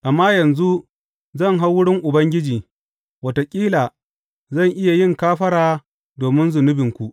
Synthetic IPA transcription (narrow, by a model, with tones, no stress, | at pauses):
ʔa˨mːaː˦jɐ˨nzu˦ | zɐ˦˨ŋɦa˦wʊ˦ɽɪ˦ŋʔʊ˨bɐ˦ŋɡʲɪ˦d͡ʒiː˨ | wɐ˦to˨kʲʼiː˦laː˨ | zɐ˦˨ŋʔɪ˦ja˨jɪ˦ŋkaː˦ɸɐ˦ɽaː˨ | doː˨mɪ˦nzʊ˨nʊ˦bɪ˨ŋkʷu˨ʔ